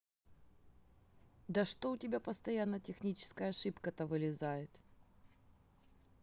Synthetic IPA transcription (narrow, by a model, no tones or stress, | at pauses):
d̪əʂt̪oʊtʲɪbʲapəst̪ɐjanːətʲɪxnʲit͡ɕɪ̥skəjəɐʂɨpkət̪ɐvɨlʲɪzajɪt̪